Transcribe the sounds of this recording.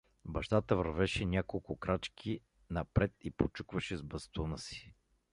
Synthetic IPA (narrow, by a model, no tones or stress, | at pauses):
bɐʃt̪at̪əvəɾvɛʃɛnʲakolˠkʊkɾat͡ʃkʰi | nɐpɾɛt̪ipot͡ʃukvəʃɛzbɐst̪unəsi̥